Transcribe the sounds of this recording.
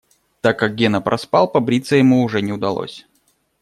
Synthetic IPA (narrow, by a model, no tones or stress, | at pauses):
t̪akːak̚ɡʲenəpɾʔɐspɑlˠpɐbɾʲit̪səjɪmuʊʐɛnʲɪʊd̪ɐlˠo̰sʲ